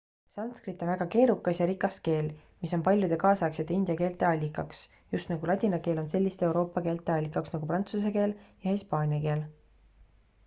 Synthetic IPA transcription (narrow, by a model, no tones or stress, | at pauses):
sɑnt̪skrit̪ːˑo̞nvæɡ̥ɑke̞ːɾukːˑɑsjɑɾikːˑɑs̚ke̞ːlmiso̞npɑlʲjud̪e̞kɑːsɑɑkset̪ːˑeind̪jɑke̞ːlt̪ˑe̞ɑlʲːikːˑɑks | just̪nɑɡulɑt̪ʲinɑkeːlo̞nse̞lʲːist̪ee̞wɾo̞ːpːˑɑke̞ːlt̪ˑe̞ɑlʲːikːˑɑksnɑɡ̥uprɑnt̪suseke̞ːljɑhispɑːnʲjɑke̞ːl